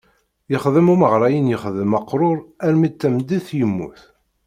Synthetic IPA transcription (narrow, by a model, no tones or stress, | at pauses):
jəχðəmuməʁɾˤɑjənjəχðəmːɑqːɾˤʊɾˤæɾmit̪ːæmd̪iθjəmːṵθ